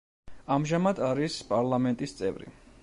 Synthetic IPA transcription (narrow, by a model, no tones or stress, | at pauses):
amʒamad̪aɾispʼaɾlˠamɛnt̪ʼist̪sʼɛ̰vɾḭ